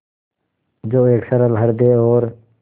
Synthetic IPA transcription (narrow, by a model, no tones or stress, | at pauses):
d͡ʒoːeːksəɾəlɦəɽd̪eːoːɾ